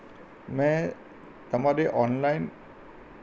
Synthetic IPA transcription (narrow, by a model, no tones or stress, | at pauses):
mɛ̃ | t̪ɐmaɾeʔɔnlajn